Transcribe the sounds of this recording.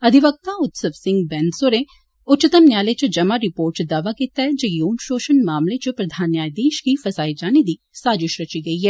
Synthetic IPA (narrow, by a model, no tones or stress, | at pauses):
ɐd̪ʱiʋək̚t̪aʊt̪səʋsɪ̃ŋɡ̚bɛ̃ːnsoɾẽ | ʊtːt͡ʃɪt̪əmnjaːlet͡ʃɐd͡ʒɐmaɾɪpoːɾʈsd̪aːʋakit̪aɦɛd͡ʒɐjoːmʃoːʃənmaːmlet͡ʃɐpɾɐd̪ʱaːnjaːjd̪eːʃkifɐzaːid͡ʒaːnid̪iː | saːd͡ʒɪʃɾɐt͡ʃiɡɐiɦɛː